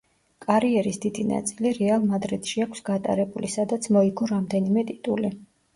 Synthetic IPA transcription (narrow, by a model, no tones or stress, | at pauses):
kʼaɾiɛɾisd̪id̪ina̰t̪sʼiliɾɛalˠmad̪ɾɛt̪ʰʃiakʷʰsɡat̪ʼa̰ɾɛbulisad̪at̪sʰmɔiɡɔɾamd̪ɛnimɛt̪ʼit̪ʼuli